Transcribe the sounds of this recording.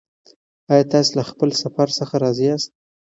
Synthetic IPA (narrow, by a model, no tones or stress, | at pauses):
ɑjɑt̪ɑselaxpəlsafaɾsəxaɾɑziɑst̪̚